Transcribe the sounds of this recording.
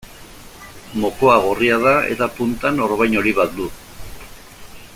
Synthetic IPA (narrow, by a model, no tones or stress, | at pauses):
mo̞ko̞aɣoriað̞ae̞̰t̪apunt̪ano̞ɾβajno̞ɾiβat̪̚d̪u